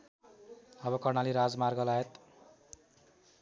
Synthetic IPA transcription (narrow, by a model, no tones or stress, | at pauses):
ʌbʌkʌrnaliɾad͡zmarɡʌlajet̪